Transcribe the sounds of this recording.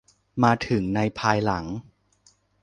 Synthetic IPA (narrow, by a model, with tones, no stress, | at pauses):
maː˧t̪ʰɯ˩˦ŋna˧jpʰaː˧jla˩˦ŋ